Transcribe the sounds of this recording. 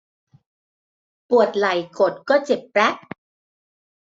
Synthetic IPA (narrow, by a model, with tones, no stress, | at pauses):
pu˨˩ət̪̚la˨˩˦jko˨˩t̪̚kɔː˥˩t͡ɕe˨˩p̚ːɾɛ˦˥k̚